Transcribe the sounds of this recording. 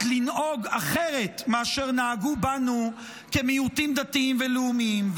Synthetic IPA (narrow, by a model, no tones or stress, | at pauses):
lino̞ɡaχe̞ʁe̞t̪meaʃe̞ʁnaːɡubanu | kemiutimd̪atiimveluumiim